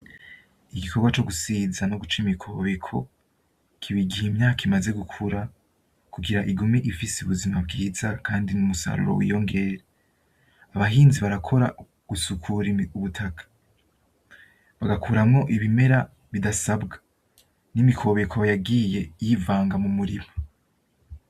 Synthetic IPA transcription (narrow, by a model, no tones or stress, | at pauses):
iɡikʰoɡwat͡ʃo̞ɡusiːzano̞ɡut͡ʃimikʰo̞βe̞kʰo̞̰ | kʰiβiɡihemɲaːkaimaze̞ɡukʰuɾa | kuɡiɾaʔiɡumiʔifiseuβuzimabɡiːzakʰaːndinumusa̰ɾṵɾo̞̰wḭjo̞ŋɡe̞ɾe | aβaɦiːnziβaɾakʰo̞ɾa | ɡ̥usukʰuɾiuβutʰakʰḁ | βaɡakuɾamŋo̞ʔiβime̞ɾa | βidasabɡḁ | nimikʰo̞βe̞kʰojaɡiːje̞jivaːŋɡamumuɾimo